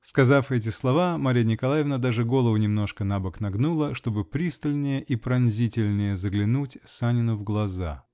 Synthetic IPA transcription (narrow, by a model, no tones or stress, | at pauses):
skɐzafɛt̬ʲɪslˠɐvamaɾʲijnʲɪkɐlˠajɪvnəd̪aʐɨɡo̞lˠəvʊnʲɪmno̞ʂkənabəknɐɡnulˠəʂt̪o̞bɨpɾʲist̪əlʲnʲɪjəʔipɾɐnzʲitʲɪlʲnʲɪjəzəɡlʲɪnutʲsanʲɪnʊvɡlˠɐza̰